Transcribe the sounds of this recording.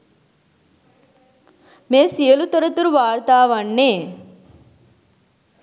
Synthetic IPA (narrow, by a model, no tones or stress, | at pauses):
meːsijɐlut̪ɐɾɐt̪uɾuʋaːɾt̪aːʋɐɳːeː